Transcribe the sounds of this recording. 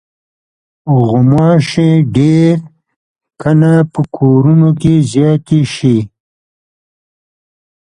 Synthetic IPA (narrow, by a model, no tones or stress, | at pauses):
ʊɣʊmɑʃẽɖeɾ | kʰanapəkʰoɾunokezjɑːt̪eʃi